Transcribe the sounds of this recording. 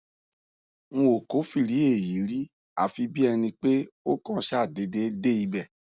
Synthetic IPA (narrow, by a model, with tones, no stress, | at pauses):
ŋ̃ɔ̃˧o˨ko˨˦fi˧˨ɾi˨˦e˦˨ji˨˦ɾi˦ | a̰˨fi˧bi˦ɛ˧nĩ˧k͡pe˦o˦kã˦ʃa˦˨de˨˧˦de˧˦de˦i˦bɛ˦˨